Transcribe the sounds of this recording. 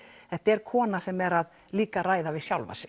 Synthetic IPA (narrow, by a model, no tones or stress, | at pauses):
θɛht̪aɛɾ̥kʰɔːnasɛmɛɾað | liːkaraːjðavɪðsjawlva̰sɪ